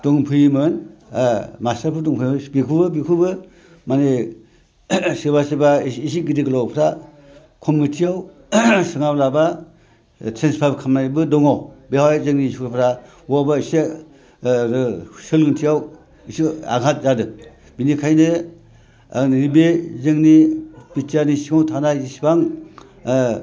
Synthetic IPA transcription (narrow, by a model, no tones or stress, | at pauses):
d̥ɔŋpʰɯjmɯn | mastaɾpʰudɔŋpʰɯjbikʰubɯbikʰubɯ | mane | sɯbasibaːsiɡidiklɔwpʰɾa | kʰɔmːitʰijaw | sɯŋablaba | tʰenspʰajbkʰamnajbɯdɔŋɔbehajzɯŋnisikpʰɾa | wabaise | sɯlɡɯntʰijaw | isia̰ɡat̚zadɯ | binikʰajnɯ | aɾibezɯŋnipitanisiŋawtʰanajisibaŋ